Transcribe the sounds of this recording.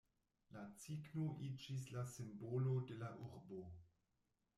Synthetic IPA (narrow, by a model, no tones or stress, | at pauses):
lat͡siɡnoʔid͡ʒislasimbolode̞laʔuɾbo̞